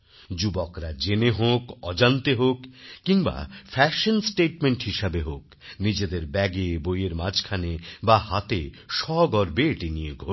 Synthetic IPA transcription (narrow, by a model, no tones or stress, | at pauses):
d͡ʑubokɾad͡ʑeneɦokɔd͡ʑant̪eɦokːiŋba̰fɛʃonsʈeʈ̚meɳʈɦiʃabeɦok | nid͡ʑed̪eɾbɛɡebojeɾmad͡ʑkʰanebaɦat̪e | ʃɔɡɔɾbeʈinijeɡʱo